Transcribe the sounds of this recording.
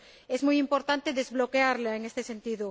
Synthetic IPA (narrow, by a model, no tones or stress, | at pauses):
ezmujimpoɾt̪ant̪eðezβlokeaɾlaeŋest̪esent̪iðo